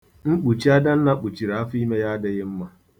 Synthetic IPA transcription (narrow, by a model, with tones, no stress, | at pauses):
ŋ͡m̩˦k͡pu˨t͡ʃi˦a˦da˦n̩˦na˦k͡pu˨t͡ʃi˨ɾa˨a˦fi˦me˦ja˦a˦dɪ˦ɣɪ˦m̩˦ma˦